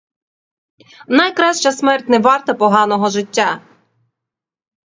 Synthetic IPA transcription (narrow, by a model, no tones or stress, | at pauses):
nɐjkɾɑʃt͡ʃɐsmɛrtʲnɛʋɑrt̪ɐpɔɦɑnɔɦɔʒɪtʲːa